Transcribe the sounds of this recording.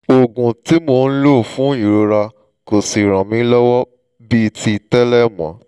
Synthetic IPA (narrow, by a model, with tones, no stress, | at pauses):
o˨ɡũ˨ti˨˦mo˧n̩˦lo˦˨fũ˨˦i˨ɾo˧ɾa˧ | ko˨si˨ɾ̃ã˨mĩ˨˦lɔ˦wɔ˦ | bi˦˨ti˧tɛ˦lɛ˦˨mã̰˨˦